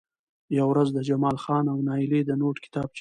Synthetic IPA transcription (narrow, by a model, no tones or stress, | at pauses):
jawɾazd̪əd͡ʒamɑlxɑnawnɑɪled̪ənoʈkɪ̥t̪ɑb̚t͡ʃ